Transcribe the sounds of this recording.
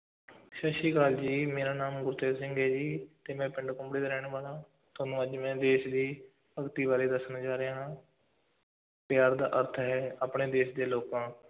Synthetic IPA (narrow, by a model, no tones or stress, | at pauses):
ʃəʃiːkaːld͡ʒiːmeːɾaːnaːmɡʊɾt̪eːɾsɪ̃ŋɡɦɛːd͡ʒiːt̪eːmɛ̃ːpɪɳɖkʊmbɽeːɾɛːɳ̃ːʋaːlãː | t̪ʰoːnũːəd͡ʒmɛ̃ːd̪eːʃd̪iː | əɡt̪iːʋaːɾeːd̪əsnãːd͡ʒaːɾeaːɦãː | pɪjaːɾd̪aːʔəɾt̪ʰɦɛːaːpɳeːd̪eːʃd̪eːloːkãː